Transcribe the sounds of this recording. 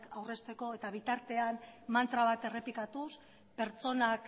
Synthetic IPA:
kawre̞st̪e̞ko̞e̞t̪aβ̞it̪aɾt̪e̞anmant̪ɾaβ̞at̪e̞re̞plikat̪us | pe̞ɾt͡so̞nak

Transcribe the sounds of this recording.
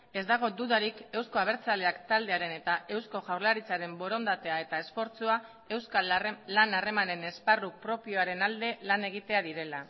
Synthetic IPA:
e̞zd̪aɣ̞o̞d̪uðaɾike̞wsko̞aβ̞e̞ɾt͡sale̞akt̪ald̪e̞aɾe̞ne̞t̪aʔe̞wsko̞ʝawɾlaɾit͡saɾe̞mbo̞ɾo̞nd̪at̪e̞ae̞t̪ae̞sfo̞ɾt͡sua | e̞wskalanare̞mane̞ne̞sparuk̚pɾo̞pio̞aɾe̞nald̪e̞lane̞ɣ̞it̪e̞aðiɾe̞la

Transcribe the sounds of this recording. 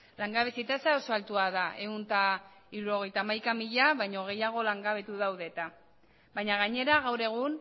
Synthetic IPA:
laŋɡaβesit̪asaoso̞alt̪uaðaʔe̞unt̪a | iɾuɾo̞ɣ̞e̞jt̪aːmajkamiʎaβajɲo̞ɣ̞e̞jaɣ̞o̞laŋɡaβe̞t̪uðawðe̞t̪a | βajɲaɣaɲe̞ɾaɣawɾe̞ɣ̞un

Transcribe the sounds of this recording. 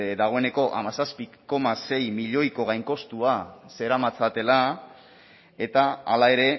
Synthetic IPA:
d̪aɣ̞o̞ene̞ko̞ʔamasaspiko̞mase̞jmiʎo̞jko̞ɣajŋko̞st̪uase̞ɾamat͡sat̪e̞la | e̞t̪aːlae̞ɾe̞

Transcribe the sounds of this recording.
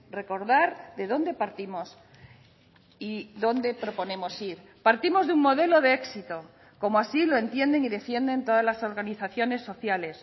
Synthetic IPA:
re̞ko̞ɾðaɾðe̞ðo̞nd̪e̞paɾt̪imo̞s | iðo̞nd̪e̞pɾo̞po̞nẽ̞mo̞siɾ | paɾt̪imo̞zðuŋmo̞ð̞e̞lo̞ðeeksit̪o̞ | ko̞moasilo̞e̞nt̪je̞nd̪e̞niðe̞fje̞nd̪e̞nt̪o̞ðazlaso̞ɾɣaniθaθjo̞ne̞sːo̞θjale̞s

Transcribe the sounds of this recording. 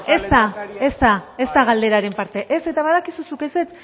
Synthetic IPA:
est̪ae̞st̪ae̞zt̪aɣ̞ald̪e̞ɾaɾe̞mpaɾt̪e̞ʔese̞t̪aβaðakisusukese̞t͡s

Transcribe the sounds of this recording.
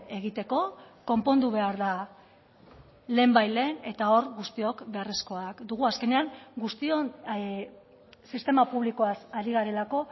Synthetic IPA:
e̞ɣ̞it̪e̞ko̞ko̞mpo̞nd̪uβ̞e̞aɾða | le̞ːmbajle̞ne̞t̪ao̞ɾɣust̪io̞kbe̞aresko̞akd̪uɣ̞uaske̞ne̞aŋɡust̪io | sist̪e̞mapuβliko̞asaɾiɣaɾe̞lako̞

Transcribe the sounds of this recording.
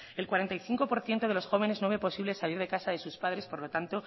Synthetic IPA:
e̞lkwaɾe̞nt̪ajθiŋko̞po̞ɾθje̞nt̪o̞ðe̞lo̞sxo̞β̞e̞ne̞znoβe̞po̞siβle̞saliɾðe̞kasaðe̞suspaðɾe̞spo̞ɾlo̞t̪ant̪o̞

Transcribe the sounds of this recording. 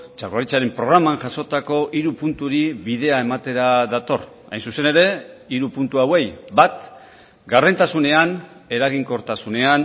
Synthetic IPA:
t͡ʃakaɾit͡saɾe̞mpɾo̞ɣ̞ɾamanʝaso̞t̪ako̞ʔiɾupunt̪uɾiβiðe̞ae̞mat̪e̞ɾaðat̪o̞̰r | a̰jnsuse̞ne̞ɾe̞iɾupunt̪uawe̞jbat̪ | ɡarðent̪asune̞ane̞ɾaɣ̞iŋko̞ɾt̪asune̞an

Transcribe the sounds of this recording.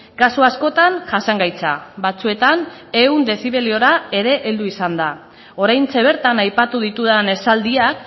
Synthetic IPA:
kasuasko̞t̪anʝasaŋɡajt͡sa̰βat͡sue̞t̪ane̞und̪e̞siβe̞lio̞ɾae̞ɾe̞ʔeld̪uisand̪a | o̞ɾajnt͡se̞β̞e̞ɾt̪anajpat̪uðit̪uðane̞sald̪iak̚

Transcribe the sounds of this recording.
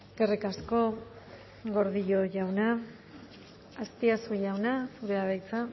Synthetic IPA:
kerikasko̞ | ɡo̞ɾðiʎo̞ʝawna | st̪iasuʝawnasuɾe̞aβajt͡sa

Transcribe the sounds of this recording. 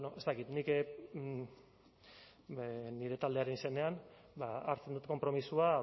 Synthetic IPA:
noʔe̞st̪akit̪nik | niɾe̞t̪ald̪e̞aɾenise̞ne̞an | baa̰ɾt͡send̪ut̪ko̞mpɾo̞misua

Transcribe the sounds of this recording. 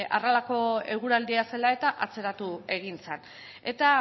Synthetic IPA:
a̰ralako̞e̞ɣ̞uɾald̪iase̞lae̞t̪aʔat͡se̞ɾat̪ue̞ɣ̞int͡sen | e̞t̪a

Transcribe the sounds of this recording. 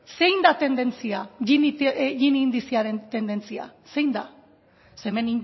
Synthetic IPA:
se̞jnd̪at̪e̞nd̪e̞nt͡siaʝiniʝinind̪isiaɾent̪e̞nd̪e̞nt͡sia̰se̞jnd̪a | semeni

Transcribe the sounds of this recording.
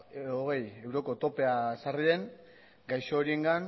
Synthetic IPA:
oɣ̞e̞je̞wɾo̞ko̞t̪o̞pe̞asarie̞ŋ | ɡajsoːɾie̞ŋɡan

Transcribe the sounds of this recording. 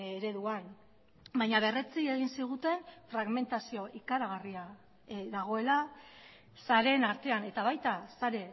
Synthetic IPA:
eɾe̞ðuan | bajɲaβe̞ret͡sie̞ɣ̞insiɣ̞ut̪e̞nfɾaɣme̞nt̪asio̞ʔikaɾaɣ̞aria | ðaɣ̞o̞e̞la | saɾe̞naɾt̪e̞ane̞t̪aβajt̪asaɾe̞

